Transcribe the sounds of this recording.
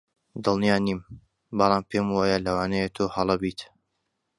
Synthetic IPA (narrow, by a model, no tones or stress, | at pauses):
d̪ɨlˠnijaːniːm | bɑlˠɑːmpʰemwaːjalɐwaːnɐjet̪ʰoːhɐlˠɐbiːt̪